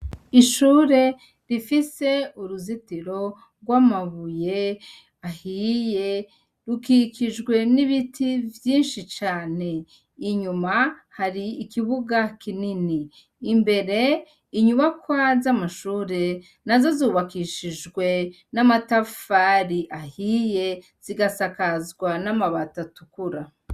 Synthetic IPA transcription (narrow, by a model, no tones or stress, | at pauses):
iʃuːɾe̞ | ɾifise̞uɾuzitiɾo̞ | ɡwamaβuje̞ | ahije̞ | ɾukikiʒɡwe̞niβitʰivjiːnʃit͡ʃaːne̞ | iɲumahaɾiːkiβuɡakininiː | mbe̞ɾe̞ | iɲuβakwazamaʃuːɾe̞ | nazo̞zuːβakiʃiʒɡwe̞ | namatafaɾiʔahije̞ | z̥iɡasakazɡwanamaβatatukuɾa